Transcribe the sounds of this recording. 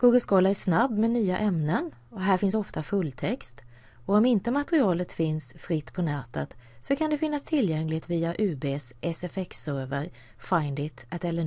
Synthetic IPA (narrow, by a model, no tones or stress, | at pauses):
ɡ̥uːɡəlskoːlaæʂnabːmɛnyːaʔɛmnən | ɔɦæːɾfɪnsɔft̪afɵlːt̪ʰɛkst̪ | ɔɔmɪnt̪əmat̪əɾɪɑːlət̪fɪnsfɾɪt̪ːpʰɔnɛːt̪ət̪sɔkʰand̪ɛfɪnːast̪ʰɪljɛŋlɪt̪viːaʔʉ̟ːbeːsʔɛsɛfɛksœɾvəɾ | faɪnd̪ɪt̪ʔat̪ɛlːə